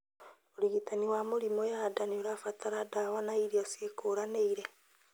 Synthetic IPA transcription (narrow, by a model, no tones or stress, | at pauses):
oɾiɣitaniwamuɾimojadaneoɾafataɾadawanaiɾiasekoːɾaneiɾe